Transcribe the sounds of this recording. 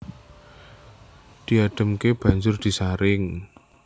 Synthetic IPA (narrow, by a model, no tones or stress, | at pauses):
d̪̥i̤aɖ̪̥ə̤mkeb̥a̤ɲd͡ʒʊrd̪̥i̤saɾɪŋ